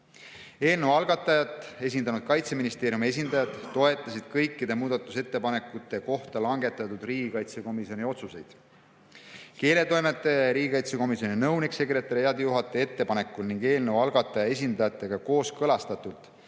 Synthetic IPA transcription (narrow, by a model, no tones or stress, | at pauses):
e̞ːlnewɑlɡ̥ɑt̪ːˑɑjɑt̪ːˑe̞s̬ʲind̪̥ɑnud̪̥̚kɑjt̪se̞minist̪eːɾjumie̞s̬ʲind̪ɑjɑd̪̥ːo̞e̞t̪ːˑɑsid̪̥kɤjkːid̪e̞muːd̪ɑt̪ːˑuse̞t̪ːe̞pɑne̞kːˑut̪ːˑe̞ko̞ht̪ɑlɑŋɡ̥e̞t̪ːˑɑt̪ud̪̥riːɡ̥ikɑjt̪se̞ko̞miso̞nʲio̞t̪suse̞jd̪̥ | ke̞ːle̞t̪o̞jmet̪ːˑe̞ɾiːɡʲikɑjt̪se̞ko̞misjo̞ninɤwnikse̞kre̞t̪ːˑɑɾijɑd̪ejuɦɑt̪ːˑee̞t̪ːe̞pɑne̞kːˑulniŋɡe̞ːlnəwɑlɡ̥ɑt̪ːˑɑjɑe̞s̬ʲind̪̥ɑjɑt̪ːˑe̞ɡ̥ɑko̞ːskɤlɑst̪ɑt̪ːˑult̪ˑ